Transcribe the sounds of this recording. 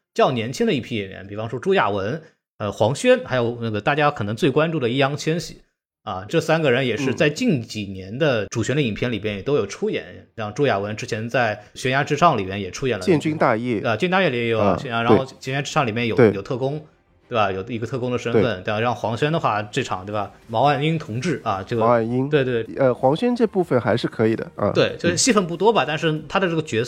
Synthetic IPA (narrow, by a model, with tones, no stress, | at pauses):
t͡ɕjɑ˥˩ʊnjɛ˧˥nt͡ɕʰi˥ŋd̪ə˧i˥˩pʰi˥jɛ˨˩njɛ̰˧˥npi˨˩fɑ˧˥ŋʂwɔ˥ʈ͡ʂu˥ja̰˥˩wə˧˥n | ə˧xwɑ˧˥ŋɕɥɛ˥nxa˧˥ɪjo˨˩ʊnə˥˩ɡə˩t̪a˥˩t͡ɕja˥kʰɤ˨˩nɤ˧˥ŋt͡swe˥˩kwa˥nʈ͡ʂu˥˩d̪ə˩i˥ɑ˥ŋt͡ɕʰjɛ˥nɕḭ˨˩˦ | ɐ˧ʈ͡ʂɤ˥˩sa˥nɡə˨ɻə˧˥njɛ˨˩ʂɻ̩˥˧t͡sa˥˧ɪt͡ɕi˥˩nt͡ɕi˨˩njɛ˧˥nd̪ə˧ʈ͡ʂu˨˩ɕɥɛ˧˥nd̪ə˧˩i˨˩npʰjɛ˥nli˨˩mjɛ˥njɛ˨˩t̪o˥ʊjo˨˩ʈ͡ʂʰu˥jɛ̰˨˩˦n˥jɑ˥˧ŋʈ͡ʂu˥ja̰˥˩wə˧˥nʈ͡ʂɻ̩˥t͡ɕʰjɛ˧˥nt͡sa˥˩ɪ | ɕɥɛ˧˥nja˥ʈ͡ʂɻ̩˥ʂɑ˥˩ŋli˨˩mjɛ˥˩njɛ˨˩ʈ͡ʂʰu˥jɛ˨˩nlə˧t͡ɕjɛ˥˧nt͡ɕi˥ŋt̪a˥˧jɛ˥˩˧t͡ɕnt̪a˥˧jɛ˥˩li˨˩ɛ˥jo˨˩ʊ̰˧˩ɕɛ˥ja˥ɻn˧˩xɕɛ˧˥nja˥ʈ͡ʂɻ̩˥ʂɑ˥˩ŋli˨˩mjɛ˥˩njo˨˩˧ɪjo˨˩ʊt̪ʰɤ˥˩kʊ˥ŋ | t̪we˥˩bɐ˩jo˨˩ʊi˧˥ɡə˧t̪ʰɤ˥˩kʊ˥ŋd̪ə˨˩ʂə˥n˧fə˨˩nt̪we˥˧˩ɻɑ˥˩ŋxwɑ˧˥ŋɕɥɛ˥nd̪ə˨˧xwa˥˧ʈ͡ʂɤ˥˩ʈ͡ʂʰɑ˨˩ŋt̪we˥˩ɪba˩mɑ˧˥ʊa˥˩ni˥ŋt̪ʰʊ˧˥ŋʈ͡ʂɻ̩˥˩ɐ˩ʈ͡ʂɤ˥˧˩ɡa˥˩ni˥ŋwe˥˧t̪̬ə˧xwɑ˧˥ŋɕɥɛ˥nʈ͡ʂɤ˥˧pu˥˩fə˨˩nxa˧˥ɪʂɻ̩˥˩kʰɤ˧˥i˨˩d̪ə̰˦˧t̪we˥˩ɪt͡ɕjo˥˧ʊʂɻ̩˥˩ɕi˥fə˧˥˩np̬u˥˩t̪wɔ˥bɐ˨t̪a˥˧nʂɻ̩˥˩t̪ʰa˥d̪ə˨ʈ͡ʂɤ˥˩ə˩t͡ɕɥɛ˧˥